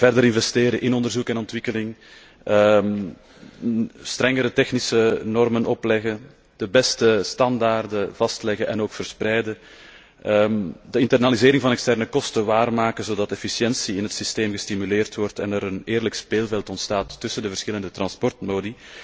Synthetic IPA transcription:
v̥ɛrdəɾɪnvɛsteːɾəʔɪnɔndərzukɛnɔntʋɪkəlɪŋ | ə | stɾɛŋəɾətɛxnisənɔrmənɔplɛɣə | d̥əbɛstəstɑndaːrdəv̥ɑstlɛɣəʔɛnoːkfərsprɛjdə | əmdəɪntɛrnalizeːɾɪŋvɑnɛkstɛrnəkɔstəʋaːrmaːkəzoːdɑtɛfisjɛnsiɪnɦətsisteːmɣəstimyleːrtʋɔrtɛnəɾəneːrləkspeːlˠvɛlˠtɔntstaːtːʏsəndəvərsxɪləndətrɑnspɔrtmoːdi

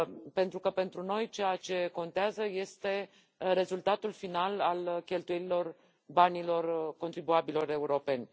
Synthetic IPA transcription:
pe̞nt̪ɾukəpe̞nt̪ɾuno̞jt͡ʃejat͡ʃe̞ko̞nt̪eazəje̞st̪e̞ | re̞zult̪at̪ulfinalalkʲe̞lt̪ujeɾilo̞r | banilo̞rko̞nt̪ɾibuabilo̞ɾe̞uɾo̞pe̞nʲ

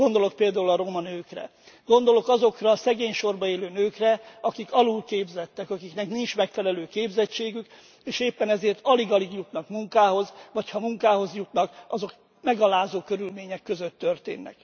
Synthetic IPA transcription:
ɡo̞nd̪o̞lo̞k̚peːld̪aːulɒɾo̞mɒnøːkrɛ̰ | ɡ̥o̞nd̪o̞lo̞kɒzo̞krɒːsɛɡeːɲʃo̞rbɒeːløːnøːkrɛɒkikɒlulkeːbzɛt̪ːɛkɒkiknɛknint͡ʃmɛkfɛlɛløːkeːbzɛt͡ʃːeːɡyk | eːʃeːpːɛnɛzeːrt̪ɒliɡɒliɡjut̪nɒkmuŋkaːɦo̞zvɒchɒmuŋkaːɦo̞zjut̪nɒkɒzo̞k | mɛɡɒlaːzoːkø̞ɾylmeːɲɛkːø̞zøt̪ːørt̪ḛːnːɛ̰k

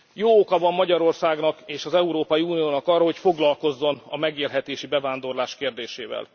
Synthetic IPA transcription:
joːokɒvɒmːɒɟɒɾo̞rsaːɡnɒkeːʃɒzɛuɾoːpɒjiuːnijoːnɒkɒrːɒɦo̞cfo̞ɡlɒlko̞zːo̞nɒ̰mɛɡeːlɦɛt̪eːʃibɛvaːnd̪o̞rlaːʃkeːrd̪eːʃḛːvɛ̰l

